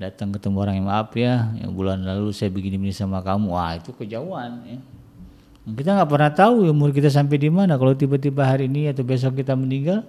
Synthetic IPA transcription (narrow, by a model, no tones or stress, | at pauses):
dat̪aŋkət̪əmoɾaŋimaːpjaja̰ŋbulanlalusajabəɡinimnisamakamuwa̰it̪ukəd͡ʒauanja | kit̪̬aŋɡaʔpərnaht̪aujumʊrkit̪as̬amp̬edimanakalawt̪ibat̪ibaɦaɾiːniat̪awbes̬ɔk̚ːit̪aməniŋɡal